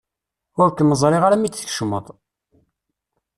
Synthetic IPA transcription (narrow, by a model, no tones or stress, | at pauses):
ʊɾkməzˤɾˤeʁaɾæmit͡sːθə̥kʃmə̰t̪ˤ